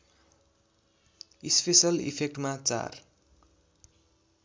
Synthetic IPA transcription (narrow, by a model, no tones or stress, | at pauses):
ispesʌlḭpʰek̚ʈmat͡sa̰r